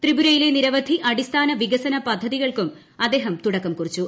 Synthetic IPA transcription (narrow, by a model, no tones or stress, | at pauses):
t̪ribuɾɐjile̞niɾɐʋɐd̪ʱiʔɐɽist̪ʰaːnɐʋiɡɐsɐnɐpɐd̪ʱːɐðiɣɐɭkum | ɐd̪ːe̞ːɦɐmt̪uɽɐkːɐmkurit͡ɕːu